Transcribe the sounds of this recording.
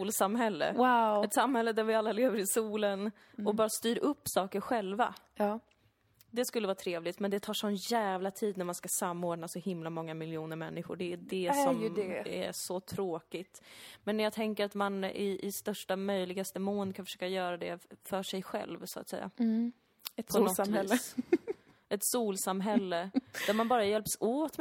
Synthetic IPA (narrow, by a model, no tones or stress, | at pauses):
ulsamhɛlːə̰aɛt̪samhɛlːəd̪æɾvɪalːaleːvəɾɪsuːlən | ɔbɑːɾast̪yːɾɵpːsɑːkəɾɧɛlva̰ | d̪ɛskɵlːəvɑːt̪ʰɾeːvlɪt̪mɛnd̪ɛt̪ʰɑːʂɔnjæːvlat̪ʰiːd̪næɾmanskasamːoːɖnasɔhɪmlamɔŋːamɪljuːnəɾmɛnːɪɧʊ̰ɖɛːdɛsɔmjæ̰ʂɔt̪ʰɾoːkɪt̪mɛnːjɑːɡt̪ʰɛŋkəɾat̪manɪʔɪst̪œʂʈamœjlɪɡast̪əmoːnkʰanfœ̥ʂøːkajœːɾad̪ɛ̰fœʂɛjɧɛ̰lvsʊa̰t̪sɛ̰jːa̰ | pʰɔnɔɛl | ɛt̪suːlsamɦɛlːəd̪æɾmanbɑːɾajɛlpsoːt̪